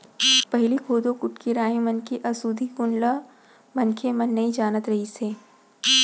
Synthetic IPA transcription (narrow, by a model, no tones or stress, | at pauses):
pɐɦlikʰoːd̪õkʊʈkeɾaːɦĩmɐnkeʔɐsuːd̪ʱikʊnla | mɐnkʰemɐ̃nːɐĩd͡ʒaːnət̪ɾɐɦiseː